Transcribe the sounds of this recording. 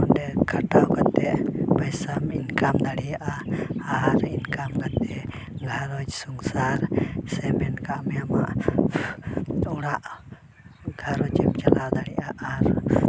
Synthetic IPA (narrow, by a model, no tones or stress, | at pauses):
ɔndɛkʰaʈawkat̪ɛʔbajsaminkamd̪aɽɛjaʔaaɾinkamkat̪ɛ | ɡʱaɾɔd͡ʒsuŋsaɾsɛmɛnkaʔmɛjama̰ʔ | uɽaʔ | ɡʱaɾɔt͡ʃɛmt͡ʃalawd̪aɽɛaʔaɾ